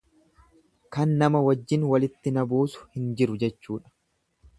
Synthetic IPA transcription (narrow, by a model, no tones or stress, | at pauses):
kɐnːɐmɐwɐd͡ʒːɪnwɐlɪt̪ːɪnɐbuːsʊ̥hɪnd͡ʒɪɾʊd͡ʒɛt͡ʃːuːᶑɐ̥